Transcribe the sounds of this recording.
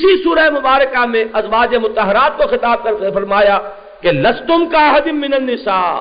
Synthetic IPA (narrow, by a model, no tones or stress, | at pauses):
ɪsisuːɾaemʊbaːɾəkamẽɐzʋaːd͡ʒemʊt̪ɐɦɪɾaːt̪̚koxɪt̪aːb̚kɐɾefɐɾmaːja | kelɐst̪ʊmkaɦɐd̪ɪmːɪnɐnːɪsaː